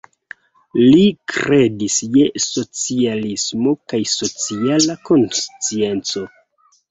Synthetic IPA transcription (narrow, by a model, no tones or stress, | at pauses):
likɾe̞disjeso̞t͡sialismo̞kajso̞t͡sialako̞nst͡sie̞nt͡so̞